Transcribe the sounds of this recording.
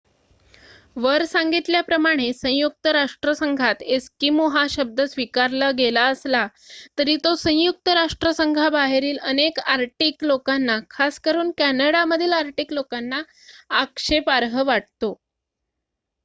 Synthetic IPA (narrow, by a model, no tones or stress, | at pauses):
ʋəɾsaŋɡit̪ljapɾəmaɽ̃esə̃juk̚t̪əɾaʂʈɾəsəŋɡʱat̪eskimuɦaɕəb̚d̪ʱəsʋikaɾləɡelaəsla | t̪əɾiːt̪osə̃juk̚t̪əɾaʂʈɾəsəŋɡʱabaɦeɾiːlənekaɾʈiklokanːakʰaskəɾuːnkænəɽaməd̪ʱiːlaɾʈiklokanːaː | kʂepaɾɦəʋaʈ̚t̪o